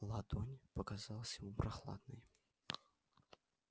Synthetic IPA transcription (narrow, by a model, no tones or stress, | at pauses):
lˠad̪onʲpəkazɑlˠəsʲjɪmupɾʔaxlˠa̰d̪̚nɨj